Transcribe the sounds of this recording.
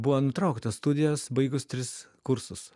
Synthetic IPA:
bʊʋoːnʊt̪ɾɐʊkt̪ɐsst̪ud̪ʲɪjoːsbɐɪɡʊst̪ʲɾʲɪs | kʊɾsʊs

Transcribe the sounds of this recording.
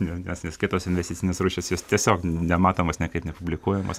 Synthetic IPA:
nʲɛnʲɛsnʲɛskʲɪt̪oːsɪnʲʋʲɛsʲtʲɪt͡sʲsʲɪnʲeːsɾuːʃʲesjoːst̪ʲiɛsʲoːknʲɛmɑːt̪oːmoːsnʲɛkɐɪpnʲɛpʊbʲlʲɪkuɔjɛmo̰ːs

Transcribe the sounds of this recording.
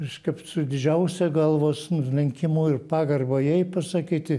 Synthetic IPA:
ɐʃkɐpsʊd̪ʲɪd͡ʒʲɛʊsʲɛɡɐlˠʋoːsʊnʊlʲɛŋʲkʲɪmuːɪrpɑːɡɐrbojɛɪpɐsɐkʲiːt̪ʲɪ

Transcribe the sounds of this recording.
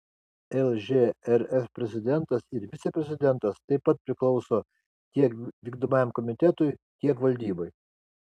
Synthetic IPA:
ɛlˠʒʲeɛɾɛfpʲɾʲɛzʲɪd̪ʲɛnt̪ɐsɪɾʋʲɪt̪sʲɛpʲɾʲɛzʲɪd̪ʲɛnt̪ɐst̪ɐɪpːɐt̪̚pʲɾʲɪklˠɒʊsoː | t̪ʲiɛkʋʲiːɡd̪oːmɑjɛmkɔmʲɪt̪ʲɛt̪ʊɪt̪ʲiɛkʋɐlʲd̪ʲiːboɪ

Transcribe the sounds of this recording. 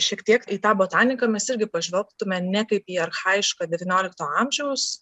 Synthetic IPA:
ʃʲiɛkt̪ʲiɛkit̪ɑːboːt̪ɑːnʲɪkɐmʲɛsɪɾʲɡʲɪpɐʒʲʋʲɛlˠkt̪ʊmʲɛnʲɛkɐɪpiːɐrxɐɪɪʃkɑːd̪ʲɛʋʲinʲoːlʲɪkt̪oːɐmʲʒʲɛʊs

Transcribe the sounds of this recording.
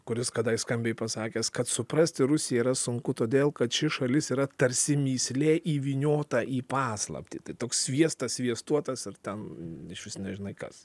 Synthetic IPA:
kʊɾʲɪskɐd̪ɐɪskɐmʲbʲɛːɪpɐsɑːkʲeːskɐt̪sʊpɾɐsʲt̪ʲɪɾʊsʲɪjɛiːɾɐsʊŋkʊt̪oːd̪ʲeːlˠkɐt̪ʃʲɪʃɐlʲɪsiːɾɐt̪ɐɾʲsʲɪmʲiːsʲlʲeːʔiːʋʲiːnʲoːt̪ɑʔiːpɑːslˠɐ̰pʲt̪ʲḭːt̪ɐɪt̪oːksʲʋʲiɛst̪ɐsʲʋʲiɛst̪uɔt̪ɐsɪrt̪ʲɛnɪʃʋʲɪsnʲɛʒʲɪnɐɪkɐ̰s

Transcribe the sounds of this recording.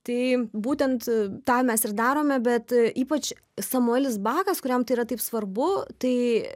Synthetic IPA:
t̪ɐɪbuːt̪ʲɛnt̪t̪ɑːmʲɛsɪɾd̪ɑːɾoːmʲɛbʲɛt̪iːpɐt͡ʃ | sɐmʊɛlʲɪsbɑːkɐskʊɾʲɛmt̪ɐɪiːɾɐt̪ɐɪpsʋɐɾbʊt̪ɐɪ

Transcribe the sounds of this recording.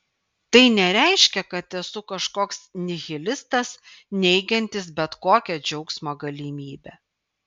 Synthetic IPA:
t̪ɐɪnʲɛɾʲæɪʃʲkʲɛkɐt̪ɛsʊkɐʃkoːksnʲɪɣʲɪlʲɪst̪ɐsnʲɛɪɡʲɛnʲt̪ʲɪsbʲɛt̪koːkʲɛd͡ʒʲɛʊksmoːɡɐlʲiːmʲiːbʲɛː

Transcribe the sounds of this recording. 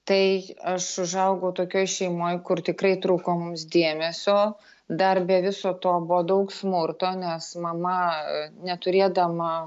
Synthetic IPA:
t̪ɐɪɐʃʊʒɐʊɡoʊt̪oːkʲoːjʃʲɛɪmoːjkʊrt̪ʲɪkɾɐɪt̪ɾuːkoːmʊmsd̪ʲeːmʲɛsʲoː | d̪ɐrbʲɛʋʲɪsoːt̪oːbʊod̪ɐʊksmʊrt̪oːnʲɛsmɐmɐnʲɛt̪ʊɾʲeːd̪ɐmɐ

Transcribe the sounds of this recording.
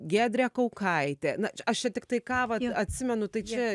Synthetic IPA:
ɡʲæːd̪ʲɾʲɛkɐʊkʰɐɪt̪ʲeːnɐt͡ʃɐʃt͡ʃʲɛt̪ʲɪk̚t̪ɐɪkɑːʋɐt̪ɐt̪ʲsʲɪmʲɛnʊt̪ɐɪt͡ʃʲɛ

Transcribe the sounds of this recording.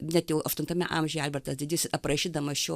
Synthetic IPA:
nʲɛt̪jɛʊɐʃt̪ʊnt̪ɐmʲɛ̰ʔɐmʲʒʲʊjɛɛlʲbʲɛɾt̪ɐsdʲɪdʲiːsʲɪɐprɐʃʲiːd̪ɐmɐʃʲoː

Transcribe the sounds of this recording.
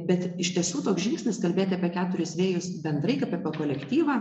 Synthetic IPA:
bʲɛt̪ɪʃʲt̪ʲiɛsʲuːt̪oːksʒʲɪŋksʲnʲɪskɐlʲbʲeːt̪ʲɪɐpʲiɛkʲæːt̪ʊɾʲɪsʋʲeːjʊsbʲɛnd̪ɾɐɪkɐpʲɐpʲɛkoːlʲɛkt̪ʲiːʋɐː

